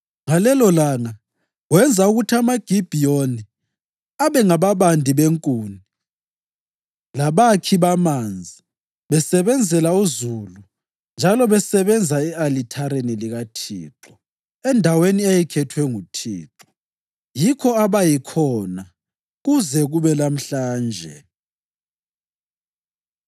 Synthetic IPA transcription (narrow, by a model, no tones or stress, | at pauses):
ŋalɛlɔlaːna | wɛnd͡zʱauɣutʰiamaɡ̥ʱib̥ʱioni | aβɛŋaβaβandʱiβeŋkʼuːni | laβakʰiβamand͡zʱi | βɛsɛβɛnd͡zʱɛlauzulu | nd͡ʒʱalɔβɛsɛβɛnd͡zʱaɛalitʰaɾeniliɣatʰḭːǁɔ | ɛndʱaweniejikʰɛtʰwɛŋutʰḭːǁɔ̥ | jikʰɔaβajikʰɔna | ɣuzɛɣuβɛlam̩ɬaːnd͡ʒʱɛ̰